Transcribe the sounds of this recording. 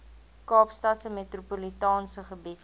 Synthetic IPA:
kɑːpstɐtsəmetrupulitɑːnsəχəbit

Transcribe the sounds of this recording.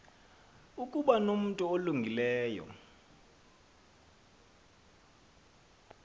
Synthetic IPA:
ukʼuɓanom̩tʼuoluŋɡʱilɛːjɔ̰

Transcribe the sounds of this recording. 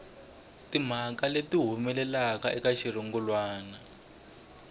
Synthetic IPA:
tim̤akaletiɦumɛlɛlakaʔɛkaʃir̤iŋɡulwaːna

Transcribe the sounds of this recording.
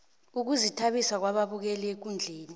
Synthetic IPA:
uk̬uzitʰaɓisak̬waɓaɓuk̬ɛlek̬und͡ɮʱeːni

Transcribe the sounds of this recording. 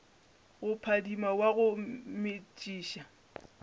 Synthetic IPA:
ɣʊpʰadimawaɣʊmɪt͡ʃʼiːʃa

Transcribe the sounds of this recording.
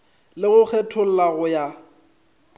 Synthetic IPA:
lɪɣʊk͡xʰɛtʰʊl̩laɣʊja

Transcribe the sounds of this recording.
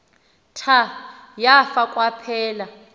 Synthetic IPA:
tʰa | jafakʼwapʰɛːla

